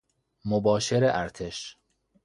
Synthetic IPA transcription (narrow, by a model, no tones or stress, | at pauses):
mobɒːʃeɾeʔæɾt̪ʰe̞ʃ